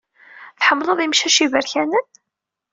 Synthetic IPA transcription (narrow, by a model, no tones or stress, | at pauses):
θħəmːlˤoðˤimʃæʃivəɾçænən